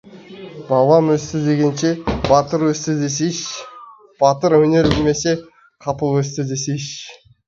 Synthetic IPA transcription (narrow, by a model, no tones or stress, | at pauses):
bɑbˠɑmwɵst̪ɪd̪e̞ɡʲe̞nʃe̞bɑt̪əɾwɵst̪ɪd̪es̬eʃ | b̥ɑt̪əɾwɵne̞ɾbɪlme̞se̞ | qʰɑpəlˠwɵst̪ɪd̪e̞seʃ